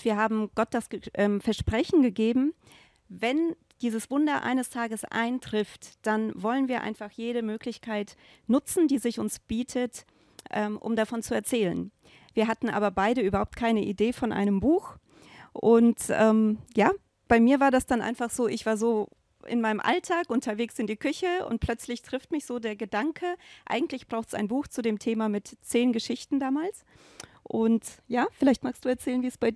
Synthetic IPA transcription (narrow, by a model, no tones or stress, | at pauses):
v̥iːɐɦaːbm̩ɡ̥ɔt̚d̥asʔɛːmfɛɐʃpʁ̥ɛçn̩ɡəɡeːbm̩ | vɛn | d̥iːzəsv̥ʊndɐʔa̰ɪnəstʰaːɡəsʔa̰ɪntʁ̥ɪftd̥anvɔlənviːɐʔa̰ɪnfaχjeːɾəmøːklɪçkʰaɪt | nʊt͡sn̩diːzɪçʊnsb̥iːtʰət | ʔɛːmʔʊ̰mdafɔnt͡suɛɐt͡sɛːlə̰n | viːɐɦatn̩ʔa̰ːbɐbaɪɾəʔyːbɐhaʊp̚tkʰaɪnəʔideːfɔnʔa̰ɪnəmbuːx | ʔʊntʔɛːmjaː | b̥aɪmiːɐvaːɐdasd̥anʔa̰ɪnfaχz̥oːʔɪçv̥aːɐzoː | ʔɪ̰nmaɪnəmʔa̰ltʰaːkʔʊntʰɐveːksɪndiːkʰʏçəʊ̰nt̚pʰl̥œt͡slɪçtʁ̥ɪftmɪçz̥oːdeːɐɡədaŋkʰəʔa̰ɪɡŋ̩tlɪçb̥ʁ̥aʊxtsa̰ɪnbuːxt͡sudeːmtʰeːmamɪtt͡seːnɡəʃɪçtn̩daːmaːls | ʔʊntjaːfɪlaɪçtmaːkstd̥uːɛɐt͡sɛːlənviːsb̥aɪ